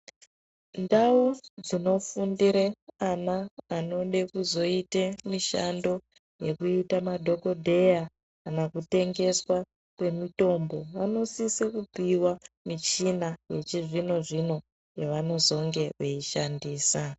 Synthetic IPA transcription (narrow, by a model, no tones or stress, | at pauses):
ndaud͡zino̞fundiɾeanaːno̞ɗekuzo̞itemiʃando̞ | je̞kuitamadʱo̞ko̞dʱe̞ja | kanakute̞ŋɡe̞swa | kwe̞mito̞mbo̞ʋano̞sisekupiwamit͡ʃinajet͡ʃiʐino̞ʐino̞ | jeʋano̞zo̞ŋɡe̞ʋeiʃandiːsa